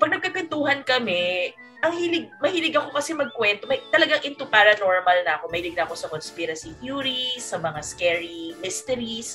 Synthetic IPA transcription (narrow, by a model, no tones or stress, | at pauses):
pɐɡ̚nɐɡ̚kɐɡkwɛnt̪uːhɐnkɐmɛ | ʔɐŋhilɪɡ̚mɐhiːlɪɡɐko̞kɐsɛmɐɡ̚kwɛnt̪o̞mɐt̪ɐlɐɡaŋʔɪnt̪upaɾɐno̞ɹmɐlnɐʔɐko̞mɐhiːlɪɡ̚nɐɐko̞sɐkonspiɾɐsikjuːɾisɐmɐŋaskɛɹimɪst̪ɛɾis